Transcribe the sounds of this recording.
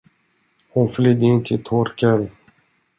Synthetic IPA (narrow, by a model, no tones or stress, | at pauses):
hʊnflyd̪int̪ʰɪlt̪ʰɔɾkan